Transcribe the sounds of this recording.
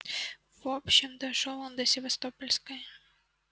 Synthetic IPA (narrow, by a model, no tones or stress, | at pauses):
v̥opɕːɪmd̪ɐʂolˠond̪əsʲɪvɐst̪opəlʲskəj